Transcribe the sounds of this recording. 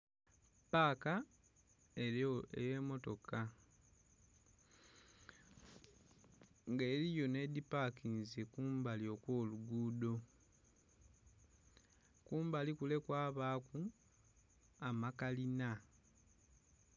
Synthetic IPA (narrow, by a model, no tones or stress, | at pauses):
paːka | eḛje̞ːmo̞to̞ka | ŋɡeːɾijo̞ne̞d̪ipakinzekuːmbalio̞kwo̞ːluɡuːdo̞ | kuːmbalikule̞kwaːβaːku | amakalina